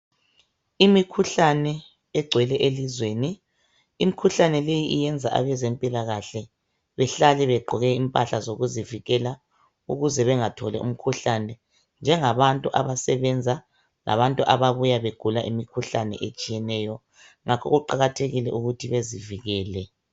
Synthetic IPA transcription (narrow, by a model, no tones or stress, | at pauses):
imikʰuɬanɛ | ɛɡ͡ǀʱwɛlɛʔelizweni | imikʰuɬanɛlejiʔijɛnd͡zʱa̰ʔa̰βɛzempʼilaɣaɬɛ | βɛɬalɛβɛɡ͡ǃʱɔɣɛimpʼaɬazoɣuziviɣɛla | uɣuzɛβɛŋatʰɔlɛ̰ʔṵm̩kʰuɬanɛ | nd͡ʒʱɛŋaβantʼuʔa̰βasɛβɛnd͡zʱa | lʔa̰βantʼuʔaβaβujaβeɡ̥ʱulaʔimikʰuɬanɛ̰ʔet͡ʃʼijɛnɛːjɔ | ŋʔakʰɔ̰ɣuǃaɣatʰeɣilɛ̰ʔuɣutʰiβeziviɣɛːlɛ